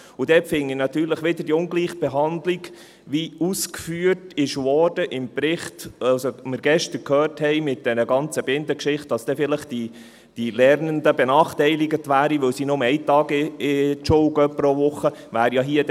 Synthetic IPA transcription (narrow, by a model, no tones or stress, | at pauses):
ʊd̥̪ɛpfɪŋinɑt̪yːɾləχʋɪd̥̪əɾdiʊŋɡliːχb̥eɦɑnd̪liɡ | ʋiuskfyːətɪʃʋɔːrd̥əʔɪmpɾɪχtɑwsomɪɾɡɛʃtəɾkʰhœːrthɛɪmɪt̚d̥̪ɛɾəɡɑnt͡səbɪnd̪əkʃɪχtd̥ɑsd̥ɛfɪləχd̥i | d̥ilɛɾnəndəb̥enɑːχtɛɪlɪɡətʋæːɾiʋɵwsiːnʊmɛɪt̪ɑːɡɪɪʃɔʊɡœpːɾoʋʊχːəʋæːɾjɑɦiəd